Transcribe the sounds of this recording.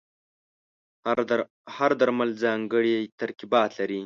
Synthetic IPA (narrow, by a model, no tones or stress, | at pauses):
haɾd̪aɾmalzɑːŋɡəɽijt̪aɾkibɑːt̪laɾi